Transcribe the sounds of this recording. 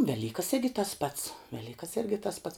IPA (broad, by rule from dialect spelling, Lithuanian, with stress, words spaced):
ˈʋʲæːlʲiːkɐs ˈɪrʲɡʲɪ tɐs pɐts ˈʋʲæːlʲiːkɐs ˈɪrʲɡʲɪ tɐs pɐts